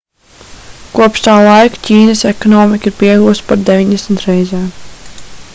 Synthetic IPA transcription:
kuɔpʃt̪aːlˠajkcʲiːnəsɛkɔnɔːmikiɾpiɛɡuːspaɾd̪ɛvʲiɲd̪ɛsmt̪ɾɛjzɛːm

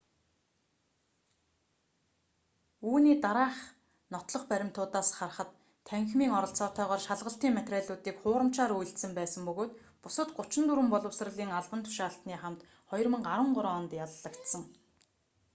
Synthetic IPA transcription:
uːniːt̪aɾaːχ | nɔt̪ɮɞ̆χpæɾʲɪ̆m̥t̪ʰʊːt̪aːsχarχə̆t̪ʰː | æŋxmiːŋɔɾɞ̆ɬt͡sɔːt̪ʰœːʁɔːrʃaɮʁə̆ɬt̪iːŋmet̪ræːɮʊːt̪iːkχʊːɾə̆m̥t͡ɕaːɾuj̆ɬt̪sɘ̆mpæːsə̆mpɵɣoːt̪ | pʊsə̆t̪ɢʊt͡ɕɪ̆nt̪uɾɘ̆mpɔɮɞ̆wsr̆ɮiːŋaɮpə̆nt̪ʰʊ̥ʃaːɬt̪niːχamt̪ | χɔjɞ̆rmə̆ŋɢaɾwə̆ɴɢʊɾɔːnt̪jaɮːə̆kt̪sə̆ŋ

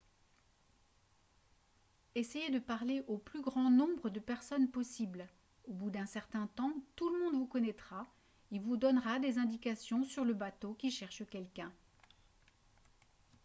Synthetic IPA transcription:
esejed̪əpaʁleʔoplyɡʁɑ̃nɔ̃bʁəd̪əpɛʁsɔnpɔsibl | obud̪ɛ̃sɛʁt̪ɛ̃t̪ɑ̃t̪uləmɔ̃d̪vukɔnɛt̪χa | ilvud̪ɔnʁad̪ezɛ̃d̪ikasjɔ̃syʁləbat̪okʲiʃɛʁʃəkʲɛlkʲɛ̃

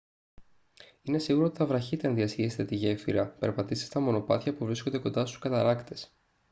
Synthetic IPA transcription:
ine̞siɣuɾot̪it̪ɐvɾɐçit̪e̞ɐnðiɐsiest̪et̪iʝefḭɾɐpe̞ɾpɐt̪ist̪st̪ɐmo̞no̞pɐ̰θçɐpuvɾisko̞nd̪e̞ko̞nd̪ɐst̪u̥skɐt̪ɐnɐkt̪e̞s

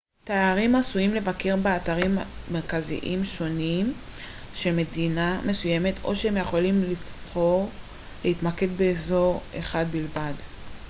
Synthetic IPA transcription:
teaʁimasuimle̞vake̞ʁbeataʁimːeʁkazḭʔimʃo̞nim | ʃe̞lme̞dinamʔe̞suje̞me̞tʰo̞̰ʃeemjeχo̞limlifχo̞ʁ | leit̪make̞dbeːzo̞ʁḛχadbilvad

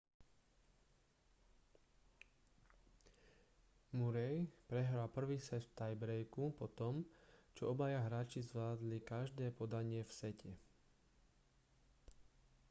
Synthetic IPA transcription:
muɾɛjpɾɛɦɾalpr̩ʋiːsɛst̪ajbɾɛjkupɔt̪ɔmt͡ʃɔɔbajaɦɾaːt͡ʃizʋlaːd̪likaʒd̪ɛːpɔd̪aɲɪɛfsɛcʰɛ

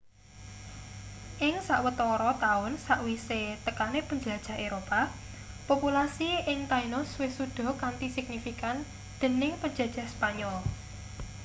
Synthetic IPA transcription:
ʔɪŋsaʔwət̪ɔɾɔt̪aʊnsaʔwiset̪əkanepəɲd͡ʒəlad̥ʒ̥a̤ɦeɾopa | populasiɪŋt̪ainʊswɪsud̪̥ɔ̤kant̪isɪk̚nifikan | d̪̥ə̤nɪŋpə̥d͡ʒ̥a̤̥ʒ̥ä̤hspaɲɔl

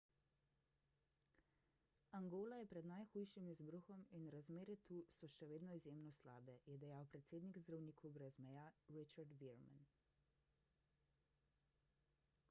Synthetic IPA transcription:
aŋɡoːlajɛpɾɛd̪najxuːjʃimizbɾuxɔminɾazmeːɾɛt̪uːsɔʃɛʋeːd̪nɔizjeːmnɔsla̰ːbɛjɛd̪ɛjaːwpɾɛt̪seːd̪niɡzd̪ɾawniːkʰɔbɾɛzmɛjaɾit͡ʃaɾd̪ʋiɾma̰n

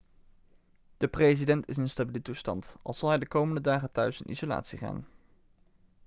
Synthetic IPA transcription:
d̥əprejzidɛntɪsənstabilətustɑ̰ntɑ̰lˠz̥ɑlˠɦɛjdəkowməndədaːχətœɥsɪ̰nʔḭzola̰ːtsiχa̰ːn

